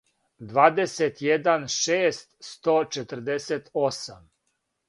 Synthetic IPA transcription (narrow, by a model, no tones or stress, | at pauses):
d̪ʋaːd̪eset̪jed̪anʃeːst̪st̪oːt͡ʃet̪əɾ̩d̪eset̪osam